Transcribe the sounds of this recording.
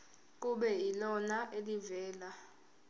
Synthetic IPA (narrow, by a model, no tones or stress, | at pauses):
k̬uɓɛilɔnaʔelivɛːla